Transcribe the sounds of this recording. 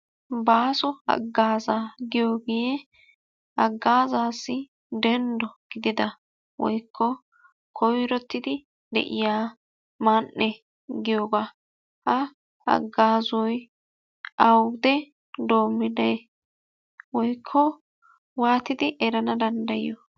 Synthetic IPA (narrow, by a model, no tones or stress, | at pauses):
baːsɔɐ̰ɡːaːzaːɡɪjoːɡɪjɛ | ɐɡːaːzaːsːɪ | d̪ɛnd̪ɔɡ̥ɪd̪ɪd̪ɐ | wɔ̰jkʰːɔ | kʰɔjɾɔt̪ːɪd̪ɪ | d̪ɛ̰ʔɪ̰jaː | manːɛ | ɡɪjoːɡaː | hɐ | ɐ̰ɡːaːzɔj | ɐwd̪ɛ | d̪o̞ːmːɪd̪ɐj | wɔjkʰːɔ | waːt̪ɪd̪ɪʔɛɾɐnɐd̪ɐnd̪ɐjɪjɔ